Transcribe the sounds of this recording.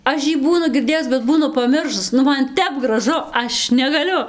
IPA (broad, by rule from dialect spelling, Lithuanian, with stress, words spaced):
ˈɐʃ jiː ˈbuːnʊ ɡʲɪrʲˈdʲeːjʊs bʲɛt ˈbuːnʊ pɐˈmʲɪrʃʊs ˈnʊ ˈmɐn ˈtʲɛp ɡrɐˈʒʊ ˈɐʃ nʲɛɡɐˈlʲʊ